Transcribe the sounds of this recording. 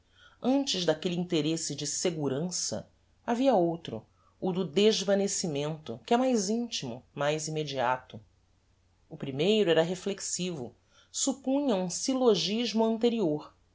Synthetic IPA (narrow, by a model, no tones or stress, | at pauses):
ɐ̃nt͡ʃɪzd̪akelɪiĩnt̪eɾesɪd͡ʒɪseɡuɾɐ̃sɐ̰ | aviɐowt̪ɾʊ̰ | ʊd̪ʊd̪eʒvɐnesimẽnt̪ʊkɪɛmajzĩnt͡ʃimʊ̰majzimed͡ʒiat̪ʊ | ʊpɾimejɾʊɛɾɐɦefleksivʊ̰ | supũɲɐũsiloʒiʒmʊɐ̃nt̪eɾioɾ